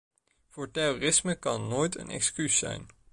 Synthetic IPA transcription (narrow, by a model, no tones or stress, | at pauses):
v̥ʊːɹtɛroːrɪsməkɑnːoːjtə̰nɛ̰kskysɛ̰jn